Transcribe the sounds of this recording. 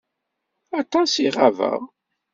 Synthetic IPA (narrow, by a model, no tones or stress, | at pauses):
ɑt̪ˤɑsiʁavə̰ʁ